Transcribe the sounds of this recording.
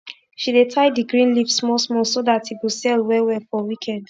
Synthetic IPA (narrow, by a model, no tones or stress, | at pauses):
ʃidetʰaɪdiɡɹĩnlivsmɔsmɔsodatiɡusɛlwɛwɛfɔwikʰɛ̃nd